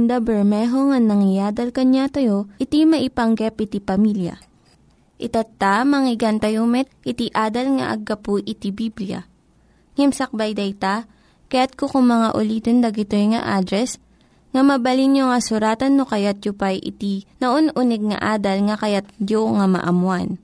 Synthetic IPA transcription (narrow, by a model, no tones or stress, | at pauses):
nd̪abɛɹmɛɦoŋɐnɐŋɪjaːd̪ɐlkɐɲat̪ɐjoʔɪt̪imɐʔɪpɐŋɡɛpʔɪt̪ipɐmiljɐ̰ | ʔɪt̪ɐt̪ːamɐŋɪɡant̪ɐjomɛt̪̚ʔɪt̪iʔaːd̪ɐlŋɐ̰ʔɐ̰ɡːɐpʊʔɪt̪ibiblijɐ̰ | ŋɛmsɐk̚bajd̪ɐjt̪a | kɐjat̪̚kokʊŋmɐŋaʔʊliːt̪ond̪ɐɡɪt̪ojŋɐ̰ʔaːd̪ɾɛs | ŋɐmɐbɐlinjoŋɐsʊɾaːt̪ɐnːokɐjat̪̚jʊpajʔɪ̰t̪inɐʔonʔunɛɡ̚ŋɐ̰ʔaːd̪ɐlŋɐkɐjat̪̚d͡ʒoŋɐmɐ̰ʔɐmwan